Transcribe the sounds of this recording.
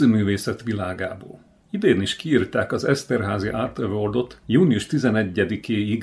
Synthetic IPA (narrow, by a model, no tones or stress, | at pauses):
øːmyːveːsɛt̪ʋilaːɡaːbo̰ːl | id̪eːniʃkiiːrt̪aːkɒzɛst̪ɛrɦaːziʔaːrt̪øvord̪o̞t̪juːniuʃt̪izɛnɛɟːɛd̪ikeːiɡ